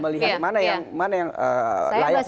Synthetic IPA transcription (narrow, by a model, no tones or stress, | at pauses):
məliɦat̪̚manajaŋmanajaŋə̰laja